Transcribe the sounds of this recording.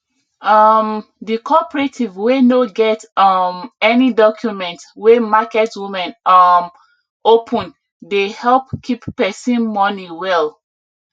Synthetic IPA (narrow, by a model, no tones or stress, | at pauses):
amdikʰɔpɹetʰivwenoɡɛtɔmɛnidɔkʰjumɛ̃ntwemakɛtwimɛ̃nɔm | opʰɔ̃n | dehɛlpkʰipːɛsĩnmɔniwɛl